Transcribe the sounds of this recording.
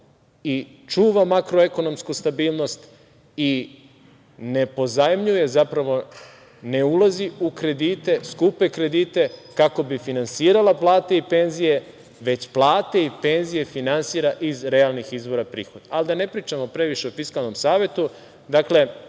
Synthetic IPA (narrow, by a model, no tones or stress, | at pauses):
i | t͡ʃuːʋamakɾoe̞ko̞no̞mskust̪abiːlˠno̞st̪ | i | ne̞po̞zajmʎuje̞zapɾaʋo̞ | ne̞ulaziukɾe̞d̪it̪e̞skupekɾe̞d̪it̪e̞kako̞bifinansiːɾalaplˠaːt̪e̞ipe̞nzije̞ | ʋe̞t͡ɕplˠaːt̪eipe̞nzije̞finansiːɾaʔizɾe̞alnixizbo̞ɾapɾḭːxo̞d̪alid̪ane̞pɾiːt͡ʃamo̞pɾe̞ʋiʃeofiskalˠno̞msaːʋet̪u | d̪akle̞